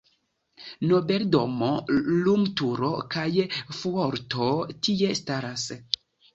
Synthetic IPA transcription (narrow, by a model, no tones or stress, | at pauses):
nobeldomolumtuɾokajfuoɾtʰotie̞staɾas